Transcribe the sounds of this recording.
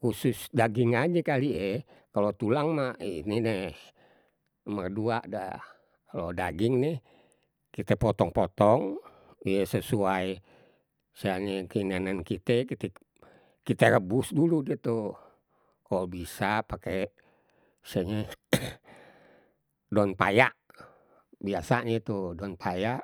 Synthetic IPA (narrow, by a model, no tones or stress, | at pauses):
kususdaɡiŋad͡ʒɛkaliʔɛkalot̪ulaŋmaininɛ | mərduaʔda̰ | kalodaɡiŋnɛh | kit̪ɛpɔt̪ɔŋpɔt̪ɔŋ | ijɛsəsuaj | siaɲɛkəinanankit̪ɛkit̪ɛ | kit̪ɛɾəbusduludiet̪u | kaolbisapake | siaɲɛ | dɔnpa̰jaʔ | biasaɲɛt̪udɔnpʰajaʔ